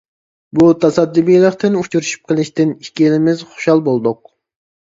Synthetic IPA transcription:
but̪ʰɑsɑd̪ːibijlˠəqt̪ʰɪnut͡ʃʰuɾuʃy̥p̚qʰəlˠɪʃt̪ɪniʃkʲiilɪmɪzχo̥ʃɑlˠbolˠd̪ʊq̚

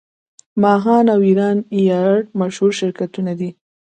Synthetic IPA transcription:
mɑɦɑnawiɾɑnijɑɽmaʃhuɾʃɪɾkat̪unad̪i

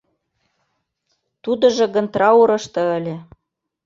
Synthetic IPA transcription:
t̪ud̪ɤ̆ʒɤ̆ɣə̆nt̪rɑuɾɤ̆ʃt̪ɤ̆ə̆lʲĕ

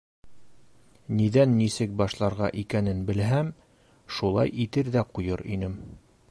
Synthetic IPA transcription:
niðænːisɘk̚bɑʃlˠɑɾʁɑ̰ʔikænɘnbɘ̆lɦæm | ʃulˠɑ̰jit̪ɘɾðæqujɤɾḭnɘm

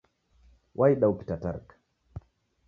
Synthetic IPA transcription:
wʔajɗawki̥tata̰ɾk

